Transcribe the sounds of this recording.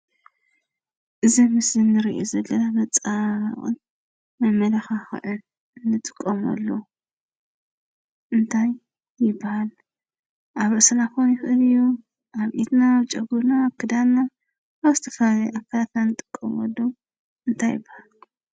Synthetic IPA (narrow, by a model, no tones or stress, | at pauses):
ʔɨzimɨszɨnːɨɾiʔozɐlːɐnamɐt͡sʼaaχʼɨ̰n | mɐmɐlɐxaxɨ̰ʕɨl | nɨt̪ʼɨ̥kʼːɐmɐ̰lːo | ʔɨnt̪ʰajː | ɪbːahal | ʔaβɨsɐlakonjɪxʔɨlɨjːu | ʔaβʔit̪naːβt͡ʃʼɐɡuɾnaβkʰɨd̪annaː | βzɨt̪ʰɐ̥fɐlalɐjʔakʰːalat̪nanːɨt̪ʼɨ̥kʼːɐmɐ̰lːo | ʔɨnt̪ʰajːɪ̰bːahal